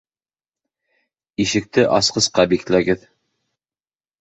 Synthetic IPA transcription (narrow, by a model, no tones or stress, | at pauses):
iʃɘ̆k̚t̪ɘʔɑsqɤ̆sqɑbiklæɡɘð